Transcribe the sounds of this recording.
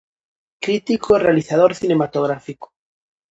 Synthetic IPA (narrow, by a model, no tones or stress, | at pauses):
kɾit̪ikorealiθað̞oɾθinemat̪oɣ̞ɾafiko̥